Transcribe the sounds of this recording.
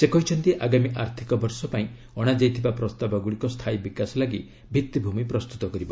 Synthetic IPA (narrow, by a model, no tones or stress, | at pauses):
sekɔɦit͡ʃʰɔnt̪iʔaɡamiʔaɾt̪ʰikɔbɔɾsɔpaĩ | ɔɽ̃ad͡ʒajt̪ʰibapɾɔst̪abɔɡuɽikɔst̪ʰajbikasɔlaɡi | bʱit̪ːibʱumipɾɔst̪ut̪ɔkɔɾibɔ